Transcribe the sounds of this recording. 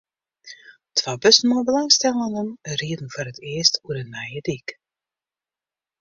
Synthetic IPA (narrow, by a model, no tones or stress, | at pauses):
tʋabøsn̩mobəlɑŋstɛlˠənanəməriːdən̩voːɾətʰɪəstuəɾənajədik